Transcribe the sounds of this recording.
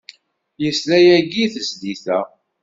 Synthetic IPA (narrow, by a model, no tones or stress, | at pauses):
jəslæjæɡiθəsd̪iθæ